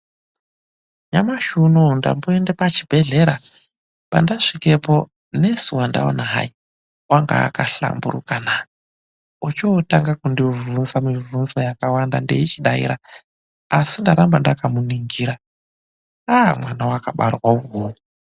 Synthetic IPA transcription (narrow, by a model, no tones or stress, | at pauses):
ɲamaʃunonda̰mbuendepat͡ʃib̥ʱe̞ɮe̞ɾa | pa̰ndaʂike̞po̞ | ne̞suwanda̰o̰naɦa̰i | waŋɡa̰ːkaɬa̰mbuɾukana | ut͡ʃotaŋɡakundivunzamivunzajakawanda̰ndḛit͡ʃiɗaḭɾa | asindaɾambandakamuniŋɡiːɾa | amwanawakaɓarwauɦou